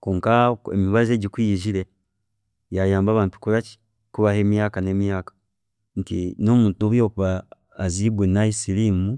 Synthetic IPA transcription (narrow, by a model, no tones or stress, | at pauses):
kuːŋkaḛmiβaze̞ɟikwiːʒiɾe | jajaːmbaːβaːntu̥kuɾaci̥ | kuβahe̞ːmjaːkane̞mjaːkḁ | ntino̞muːntuβjo̞ːkuβaː | ziːbwenaisilimu